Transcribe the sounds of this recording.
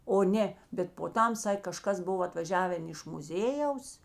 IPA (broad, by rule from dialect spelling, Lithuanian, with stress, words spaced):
oː ˈnʲeː bʲɛt poː ˈtɐm ˈsɐkʲ kɐˈʃkɐs ˈbʊw ɐtʋɐˈʒʲæːʋʲɛn ɪʃ mʊˈzʲeːjɛʊs